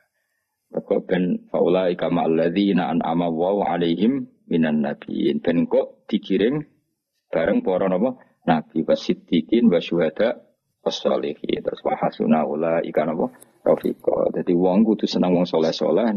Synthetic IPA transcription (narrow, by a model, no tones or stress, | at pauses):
təkɔʔb̥ɛnfa̰ʔulaʔikamaʔalːaðinaʔa̰nʔa̰malːaɦuʕa̰lejɦɪmː | inanːab̥ḭnb̥ɛnŋkɔʔt̪ikiɾɪŋ | əb̥aɾəŋpɔɾɔnɔpɔ | nab̥iwasit̪ːikinwaʃuɦad̪̥aʔ | wasːɔ̰lixḭt̪əɾʊswa̰hasṵnaulaḭkanɔpɔ | rɑ̰fḭkɔ̰d͡ʒad̪iwɔŋkut̪usənəŋwɔŋsolɛhso̰lah